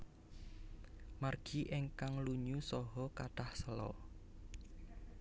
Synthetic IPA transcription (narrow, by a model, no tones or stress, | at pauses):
marɡ̥iʔɪŋkaŋluɲusɔɦɔkaɖ̥ahsəlɔ̰